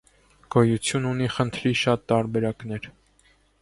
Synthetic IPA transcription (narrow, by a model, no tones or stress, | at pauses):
ɡ̥ɔjut͡sʰjununiχənt̪ʰɾiʃɑt̪ːɑɾbɛɾɑknɛɾ